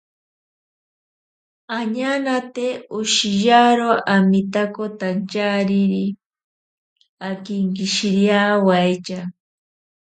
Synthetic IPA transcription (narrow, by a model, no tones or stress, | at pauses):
aɲanat̪eʊʃijaɾoamit̪akot̪ant͡ʃaɾiɾi | akɪŋkiʃiɾjawajt͡ʃa